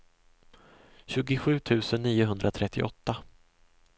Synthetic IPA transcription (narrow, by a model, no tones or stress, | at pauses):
ɕʉ̟ːɡɪɧʉ̟ːt̪ʰʉ̟ːsənːiːʊɦɵnd̪ɾat̪ʰɾɛt̪ʰːɪ̰ʔɔt̪ːa